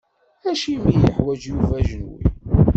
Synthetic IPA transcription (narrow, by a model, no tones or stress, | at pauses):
æʃimijəħwæd͡ʒjuvæʒnṵj